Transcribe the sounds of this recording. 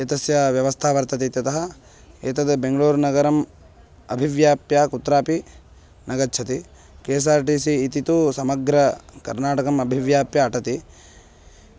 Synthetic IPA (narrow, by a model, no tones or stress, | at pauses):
eːt̪ɐsjɐʋjɐʋɐst̪ʰaːʋɐɾt̪ɐt̪it̪jɐt̪ɐɦɐ | eːt̪ɐd̪beŋɡɐɭuːɾnɐɡɐɾɐm | ɐbʱiʋjaːpjaːkut̪ːɾaːpi | nɐɡɐtːt͡ʃʰɐt̪i | keːs̬aːɾʈiːsiːt̪it̪usɐmɐɡɾɐkɐ̰ɾnaːʈɐkɐmɐbʱiʋjaːpjɐːʈɐt̪i